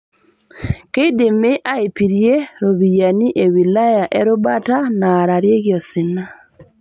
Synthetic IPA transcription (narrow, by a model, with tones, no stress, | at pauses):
ke˦de˨me˦ʔa˦e˨pi˨ɾje˦ɾo˨βi˨ja˨ni˦ʔe˨wi˨la˦ja˨ʔɛ˦ɾʊ˦ba˦ta˦naː˨ɾa˨ɾje˦ɡjɔ˨sɪ˨na˦